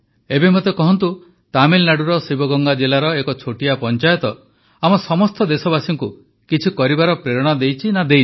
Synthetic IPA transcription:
ebemot̪ekɔɦɔnt̪u | t̪amilnaɽuɾɔsibɔɡɔŋɡad͡ʒelaɾɔekɔt͡ʃʰoʈiapɔnt͡ʃajɔt̪ɔ | amɔsɔmɔst̪ɔd̪esɔbasiŋku | kit͡ʃʰikɔɾibaɾɔpɾeɾɔɽ̃ad̪ejt͡ʃʰinad̪ej

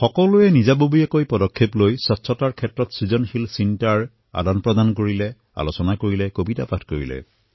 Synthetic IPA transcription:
xɔkɔluɛnizabobujɛkojpɔdɔkʰːeplojsɔtsʰɔtaɹkʰɛtɹɔtsizɔnxilsintaɹ | a̰danpɹɔdankoɹilɛ | a̰losɔnakoɹilɛkobita̰patʰkoɹḭlɛ̰

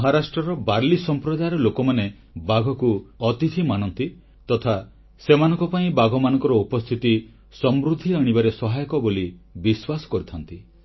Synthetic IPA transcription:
ɦaɾasʈɾɔɾɔbaɾlisɔmpɾɔd̪ajɾɔlokɔmane | baɡʱɔkuɔt̪it̪ʰimañɔnt̪i | t̪ɔt̪ʰa | semanɔ̃ŋkɔpaĩbaɡʱɔmanɔŋkɔɾɔupɔst̪ʰit̪i | sɔmɾud̪ʱiaɽ̃ibaɾesɔɦajɔkɔbolibiswasɔ̥kɔɾit̪ʰant̪i

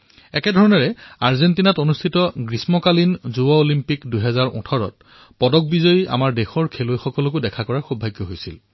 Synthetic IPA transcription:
ɛkɛdʱɔɹɔnɔɹɛaɹzentinatonustʰitɔɡɹismɔkalinzuɔolimpikdujɦɛzaɹʊ̰̃tʰɔɹɔ̰t̚ | pɔdɔk̚bizɔjia̰maɹdexɔɹkʰelojxɔkɔlɔk̬ʊdɛkʰakɔɹaɹxubʱajɡjɔɦojsil

